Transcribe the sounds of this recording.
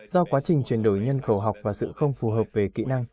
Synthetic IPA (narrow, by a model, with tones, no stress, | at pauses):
z̥ɔ˧kwaː˨˦t͡ɕï˨˩ŋ̟t͡ɕwi˨˩ənɗo˧˩jɲə˧nxə˧˩wɦa˨˩wk͡p̚vaː˨˩sɨ̰˧˨xə˧wŋ͡mfu˨˩ɦəː˨˩p̚ve˨˩kḭ˧˨na˧ŋ